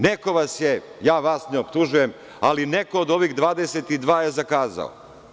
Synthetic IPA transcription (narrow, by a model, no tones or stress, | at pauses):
neko̞ʋasjejaːʋasneopt̪uʒuje̞m | alineko̞ːd̪o̞ʋiːɣd̪ʋaːd̪eset̪id̪ʋaːje̞zakaːza̰o̰